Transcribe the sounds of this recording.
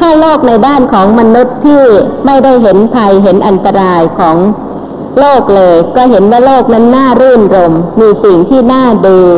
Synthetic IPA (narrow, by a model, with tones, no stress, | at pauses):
t̪ʰaː˥˩loː˥˩k̚na˧jdaː˥˩nkʰɔː˩˦ŋma˧nu˦˥t̪ʰːiː˥˩ma˥˩jda˥˩jɦe˩˦npʰa˧jɦe˩˦nʔa˧nt̪a˧ɾaː˧jkʰɔː˩˦ŋ | loː˥˩k̚lɤː˧jkɔː˥˩ɦe˩˦nwaː˥˩loː˥˩k̚na˦˥nːaː˥˩ɾɯː˥˩nɾo˧mːiː˧si˨˩ŋt̪ʰiː˥˩naː˥˩duː˧